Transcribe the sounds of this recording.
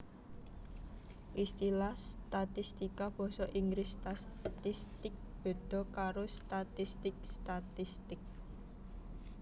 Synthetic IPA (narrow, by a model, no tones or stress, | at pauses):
ʔist̪ilast̪at̪ist̪ikab̥ɔ̤sɔʔiŋɡɾɪst̪at̪ist̪ɪk̚b̥e̤d̪̥ɔ̤kaɾost̪at̪ist̪ɪk̚st̪at̪ist̪ɪk̚